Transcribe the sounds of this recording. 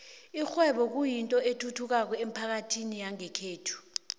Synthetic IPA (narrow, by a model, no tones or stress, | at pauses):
ixwɛɓɔk̬ujintʼɔetʰutʰuk̬ak̬ɔem̩pʰak̬atʰinijaŋɛkʰeːtʰu̥